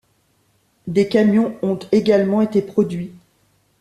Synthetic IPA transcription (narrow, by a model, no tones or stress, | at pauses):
d̪ekamjɔ̃ɔ̃t̪eɡalmɑ̃et̪epχɔd̪ɥi